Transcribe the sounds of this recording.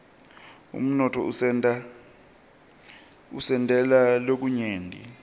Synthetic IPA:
ṵm̩nɔtʰɔ̰ | usɛndʱʼɛlalok̬uɲeːndʱʼḭ

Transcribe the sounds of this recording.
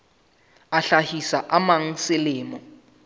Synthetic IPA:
aɬahisaʔamaŋ̩sɪlɪːmɔ

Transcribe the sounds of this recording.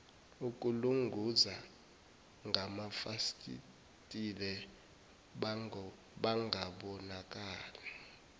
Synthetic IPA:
ukʼuluŋɡʱuza | ŋɡʱamafaskʼḭ | tʼilɛ | ɓaŋʱaɓɔnakʼaːlɛ

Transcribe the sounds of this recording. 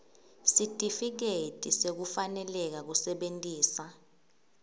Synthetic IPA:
sitʼifik̬etʼisek̬ufanɛlɛk̬ak̬usɛɓentʼiːsa

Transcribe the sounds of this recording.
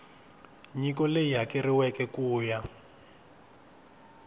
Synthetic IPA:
ɲikɔlejakɛriwɛkɛkuːja

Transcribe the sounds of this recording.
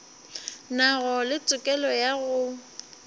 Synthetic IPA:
naɣɔlɪt͡sʼʊkʼɛlɔjaɣʊ

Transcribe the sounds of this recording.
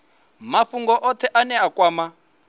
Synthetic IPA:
mafuŋɡɔʔɔt̪ʰɛʔanɛakʼwaːma

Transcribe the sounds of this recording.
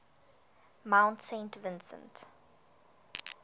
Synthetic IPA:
mãʊ̃ntsẽɪntvɪ̃nsə̰̃nt

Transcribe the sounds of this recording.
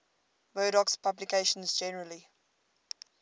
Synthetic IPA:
vɜːɾɔkspʰablikʰeɪʃə̃nzd͡ʒɛnəɹəli

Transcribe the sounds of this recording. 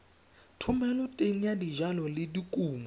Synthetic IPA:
tʰʊmɛlɔtʼeŋ̩adiʒalɔlɪdikʼuːmɔ

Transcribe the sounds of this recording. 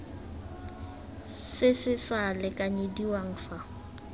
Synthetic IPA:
sɪsɪsalɪkʼaɲediwaŋ̩fa

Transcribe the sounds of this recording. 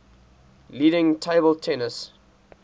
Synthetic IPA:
liːɾɪ̃ŋtʰeɪbəltʰɛnəs

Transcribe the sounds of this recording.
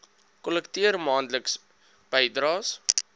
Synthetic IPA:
kɔləktiərmɑːndləks | b̥əjdɾɑːs

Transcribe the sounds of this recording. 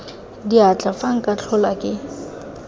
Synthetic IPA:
diat͡ɬʼafaŋ̩kʼat͡ɬʰʊlakʼɪ

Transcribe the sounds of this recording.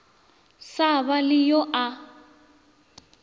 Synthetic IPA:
saβalɪjɔʔa

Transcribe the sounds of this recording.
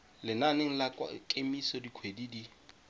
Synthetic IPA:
lɪnaneŋ̩la̰kʼemisɔdikʰwedidi

